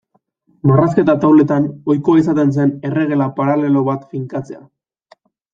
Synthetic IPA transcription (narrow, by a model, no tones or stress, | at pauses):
maraske̞t̪at̪awle̞t̪ano̞jkoaisat̪e̞ns̬e̞ne̞re̞ɣ̞e̞lapaɾale̞lo̞βat̪fiŋkat͡se̞a̰